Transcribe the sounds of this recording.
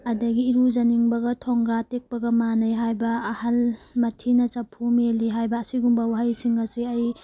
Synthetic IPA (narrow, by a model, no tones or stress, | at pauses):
ɐdɐɡiːɾuzɐniŋbɐɡɐtʰɔŋɡɾatek̚pɐɡɐmanɐjɦajbɐːhalmɐtʰinɐt͡ʃɐpʰumeliɦajbɐːsiɡumbɐwaɦajsiŋɐsiɐj